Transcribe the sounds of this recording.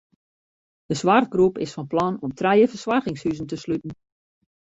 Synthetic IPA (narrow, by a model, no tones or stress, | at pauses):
d̥əsʋart̚ɡrupɪ̰sfɔnplɑnɔmtʰrɛjəfərsʋarɣɪŋshyzən̩təslytn̩